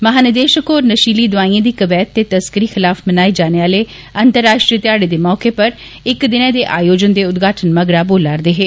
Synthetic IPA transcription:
məɦaːnəd̪eːʃəkoːɾnəʃiːliːd̪ʊaːĩːãːd̪iːkəbɛːt̪ːeːt̪əskəɾiːxɪlaːfmənaːid͡ʒaːneaːleː | ənt̪əɾːaːʃʈɾiːət̪ɪaːɽeːd̪eːmɔːkeːpəɾ | ɪkd̪ɪnãːd̪eːʔaːjoːd͡ʒənd̪eːʊt̪ɡaːʈʰənməɡɾaːboːlaːɾd̪eːɦeː

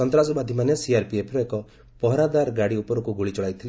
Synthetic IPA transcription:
ɔnt̪ɾasɔbad̪ʱimanesiaɾpiepʰɾɔekɔ | pɔɦɔɾad̪aɾɡaɽiupɔɾɔkuɡuɭit͡ʃɔɭajt̪ʰili

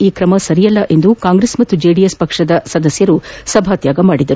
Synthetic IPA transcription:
iːkɾɐmɐsɐɾijɐlːɐʔe̞nd̪ukaːŋɡɾeːsmɐt̪ːud͡ʒeːɖijespɐkʂɐd̪ɐsɐd̪ɐsjɐɾusɐbʱaːt̪jaːɡɐmaːɽid̪ɐɾu

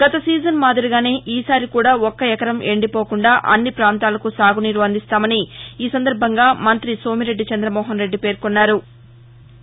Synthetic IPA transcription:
ɡ̥ɐt̪ɐsiːd͡ʒɐnmaːd̪iɾiɡaːne̞ːʔiːsaːɾikuːɽaːɔkːɐɛkɐɾɐmeɳɖipo̞ːkuɳɖaːʔɐ̰nːipɾaːnt̪aːlɐkusaːɡuniɾʋɐnd̪ist̪aːmɐniiːsɐnd̪ɐɾbʱɐŋɡaːmɐnt̪ɾiso̞ːmiɾe̞ɖːit͡ʃɐnd̪ɾɐmɔːɦɐnɾe̞ɖːipe̞ːɾkonːaːɾu

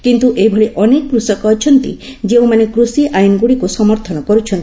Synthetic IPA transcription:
kint̪uʔejbʱɔɭeʔɔnekɔkɾusɔkɔːt͡ʃʰɔnt̪ḭd͡ʒeũmanekɾusiʔajnɔɡuɽikusɔmɔɾt̪ʰɔnɔkɔɾut͡ʃʰɔnt̪i

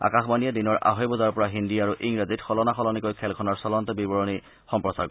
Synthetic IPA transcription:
a̰kaxbanijɛdinɔɹʔa̰ɦɔjbɔzaɹɔpɔɹaɦindiaɹuʔiŋɹazitxɔlɔnaxɔlɔnikojkʰɛlkʰɔnaɹsɔlɔntɔbibɔɹɔni | xɔmpɹɔsaɹ

